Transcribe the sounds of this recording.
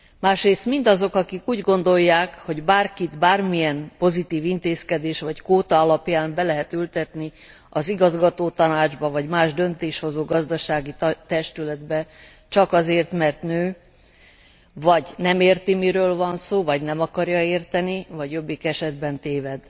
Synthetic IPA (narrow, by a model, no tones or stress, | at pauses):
maːʃreːst̪mind̪ɒzo̞kɒkikuːɟɡo̞nd̪o̞jːaːkho̞ɟbaːrkit̪baːrmijɛnpo̞zit̪iːvint̪eːskɛd̪eːʃvɒckoːt̪ɒɒlɒpjaːmbɛlɛɦɛt̪ylt̪ɛt̪ni | ɒziɡɒzɡɒt̪oːt̪ɒnaːd͡ʒbɒvɒɟmaːʒd̪ønt̪eːʃho̞zoːɡɒzd̪ɒʃaːɡit̪ɛʃt̪ylɛd̪bɛ | t͡ʃɒkɒzeːrt̪mɛrt̪nøː | vɒɟnɛmeːrt̪imiɾøːlvɒnsoːvɒɟnɛmɒkɒrjɒeːrt̪ɛnivɒɟjo̞bːikɛʃɛd̪bɛnt̪eːvɛd̪